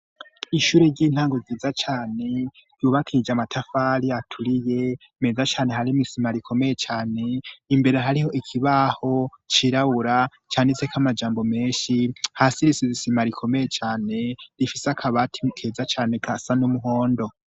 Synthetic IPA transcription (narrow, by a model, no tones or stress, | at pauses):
iʃuːɾeɾɟiːn̥haːŋɡoziːzat͡ʃaːne̞ | ɾjuβakʰid͡ʒamatʰafaːɾiatʰuɾije̞ | me̞ːzat͡ʃaːne̞haɾimisimaɾikʰo̞me̞je̞t͡ʃaːne̞imbe̞ɾe̞ɦaɾiho̞ʔikʰiβaho̞ | t͡ʃiɾaβuɾa | t͡ʃaːnit͡sekʰamad͡ʒaːmbo̞me̞ːnʃihasiɾisizisimaɾikʰo̞meje̞t͡ʃaːne̞ɾifisakʰaβatʰikʰeːzat͡ʃaːne̞kʰasanumuɦo̞ːndo̞